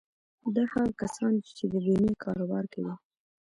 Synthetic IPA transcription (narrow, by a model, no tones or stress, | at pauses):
d̪ahaɣkasɑnt͡ʃed̪əbinekʰɑ̰ɾobɑɾkawi